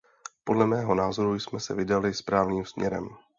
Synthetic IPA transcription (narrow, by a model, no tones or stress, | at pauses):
po̞dlɛmɛːɦo̞naːzo̞ɾujsmɛsɛvɪdalɪspɾaːvniːmsmɲʔɛ̰ɾɛ̰m